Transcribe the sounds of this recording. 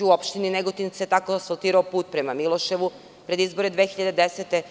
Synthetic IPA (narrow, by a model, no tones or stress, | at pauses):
uopʃt̪inineɡot̪inset̪akosolˠt̪iːɾaopuːt̪̚pɾemamilˠo̞ʃe̞ʋu | pɾe̞d̪izbo̞ɾe̞d̪ʋeːxiʎad̪ed̪eset̪e